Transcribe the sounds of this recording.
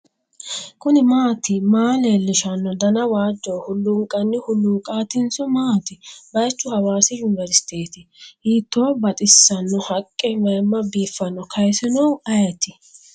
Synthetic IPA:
kʊnɪmaːt̪ɪmaːleːlːɪʃɐnːɔd̪ɐnɐwaːd͡ʒːɔwhʊlːʊŋkʼːɐnːɪhʊlːʊŋkʼaːt̪ɪnsɔmaːt̪ɪbɐjt͡ʃːʊhɐwaːsɪjʊnɪvɛɾsɪ̥t̪eːt̪ɪhiːt̪ːoːbɐt̪ʼɪsːɐnːɔhɐkʼːɛmɐjmːɐbiːfːɐnːɔkʰɐjsɪnɔwɐjɐt̪ɪ

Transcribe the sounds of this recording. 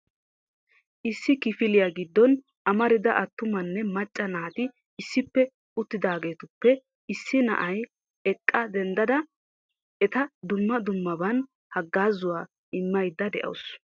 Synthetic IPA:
ʔɪsːɪkɪfɪlɪjaɡɪd̪ːɔn | ʔɐmɐɾɪd̪ɐʔɐt̪ːʊmɐnːɛmɐt͡ʃʼːɐnaːt̪ɪː | sːɪpːɛ | ʊt̪ːɪd̪aːɡe̞ːt̪ʊpːɛ | ɪsːɪnɐ̰ʔɐj | ɛkʼːɐd̪ɛnd̪ɐd̪ɐ | ɛt̪ɐd̪ʊmːɐd̪ʊmːɐbɐn | hɐɡːaːzʊwaː | ʔɪmːɐjd̪ːɐd̪ɛ̰ʔɐ̰ws

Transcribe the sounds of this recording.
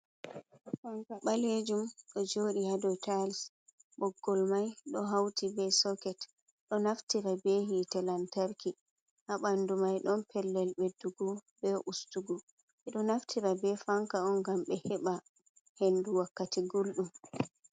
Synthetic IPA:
faŋkaɓaled͡ʒumɗɔd͡ʒoɗihadɔtals | ɓɔɡːɔlmajɗɔɦawtʰibɛsɔkɛt | ɗɔnaftiɾabeɦitɛlantaɾki | haɓandumajɗɔnpʰɛlːɛlbɛduɡɔbɛʔustuɡɔ | ɛɗɔnaftʰiɾabɛfaŋkaɔnɡamɓɛhɛɓa | henduwakːatiɡulɗum

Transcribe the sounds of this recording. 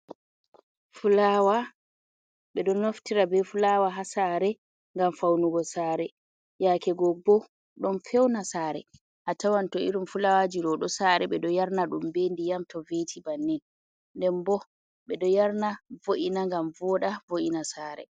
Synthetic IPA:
fulawa | ɓɛɗɔnoftiɾabɛfulawaɦasaɾɛ | ŋɡamfawnuɡɔsaːɾɛ | jakɛɡɔbɔ | ɗɔnfɛwnasaːɾɛ̰ | hatawantɔiɾumfulawad͡ʒiɗɔɗɔsaːɾɛɓɛɗɔjaɾnaɗumbendijamtɔvetʰibanːɛn | ndɛmbɔ | ɓɛɗɔjaɾnavoʔinaŋɡamvɔɗavoʔinasaːɾɛ̰

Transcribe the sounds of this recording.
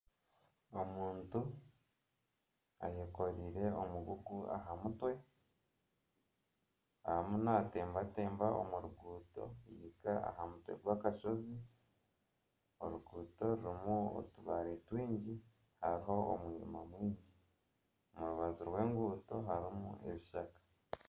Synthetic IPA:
omuːntu | ajeko̞ɾiɾe̞omuɡuɡua̰ɦamutwe̞ | ahamunate̞ːmbate̞ːmbaʔo̰muɾuɡuːto̞̰jikaa̰ɦamutwe̞̰ɡwaːkaʃo̞zi | oɾuɡuːto̞ɾuɾimuo̰tuβaɾetwiːɲɟi | haɾiɦo̞o̰mwiɲḭmamwiːɲɟi | omuɾuβaziɾwe̞ːŋɡuːto̞ɦaɾimṵʔe̞̰βiʃakḁ

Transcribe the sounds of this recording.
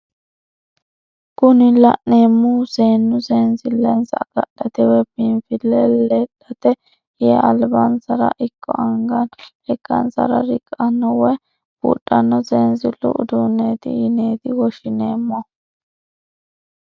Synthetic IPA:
kʊnɪlɐ̰ʔne̞ːmːuseːnːʊseːnzɪlɛnsɐ̰ɡ̥ɐ̰ɗɐt̪ɛwɛpɪnfɪlːɛlɛᶑɐt̪ɛ | jɛːʔɐlbɐnsɐɾɐ̰ʔɪkʰːɔ̰ɐŋɡɐn | ɛkːɐ̰nsɐ̰ɾɐ̰ɾɪkʼːɐnːɔwɛ | b̥ṵːɗʼːɐnːɔseːnzɪlʊ̰ʔʊ̰d̪uːnːeːt̪ɪ̰ɪneːt̪ɪwɔʃɪne̞ːmːɔ

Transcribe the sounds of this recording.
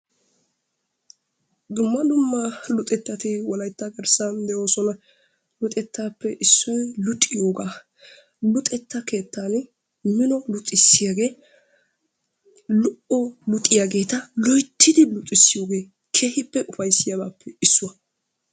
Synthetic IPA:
d̪ʊmːɐd̪ʊmːɐlʊt̪ʼɛt̪ːɐt̪ɪwɔlɐjt̪ːɐɡɛɾsɐnd̪ɛʔo̞ːsɔnɐ | lʊt̪ʼɛt̪ːaːpːɛʔɪsːɔjlʊt̪ʼːɪjoːɡaː | lʊt̪ʼɛt̪ːɐke̞ːt̪ʰːaːnɪ | mɪnɔlʊt̪ʼːɪsːɪjaɡe̞ː | lʊʔɔlʊt̪ʼːɪjaɡe̞ːt̪ɐlɔjt̪ʰːɪd̪ɪlʊt̪ʼːɪsːɪjo̞ːɡe̞ː | kʰeːhɪpːɛʔʊfɐjsːɪjɐbaːpːɛɪsːʊwɐ

